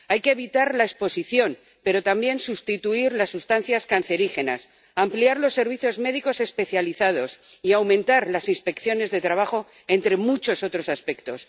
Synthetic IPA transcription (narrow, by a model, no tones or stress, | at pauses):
ajkeːβ̞it̪aɾlaespo̞siθjo̞n | pe̞ɾo̞t̪ambje̞nsust̪it̪uiɾlasːust̪anθjaskan̟θe̞ɾixe̞na̰s | ampliaɾlo̞sːe̞ɾβ̞iθjo̞zme̞ðiko̞se̞spe̞θjaliθað̞o̞siawmẽnt̪aɾlasinspe̞kθjo̞ne̞zðe̞t̪ɾaβ̞aχo̞ | e̞nt̪ɾe̞mut͡ʃo̞so̞t̪ɾo̞saspe̞kt̪o̞s